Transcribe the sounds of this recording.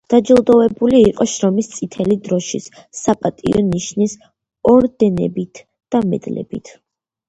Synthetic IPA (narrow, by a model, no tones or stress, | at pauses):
d̪̥ad͡ʒɛlˠd̪ɔvɛbuliːqʼɔʃɾɔmist̪sʼit̪ʰɛlid̪ɾɔʃis | apʼat̪ʼḭɔniʃnis | ɔɾd̪ɛnɛ̰bit̪ʰ | d̪̥amɛ̰d̪lɛ̰bḭt̪ʰ